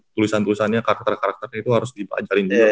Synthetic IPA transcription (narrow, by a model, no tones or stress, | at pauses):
t̪ulisant̪ulisanɲakaɾak̚t̪ərkaɾak̚t̪ərɲait̪uɦaɾʊsdiba̰d͡ʒaɾɪnbia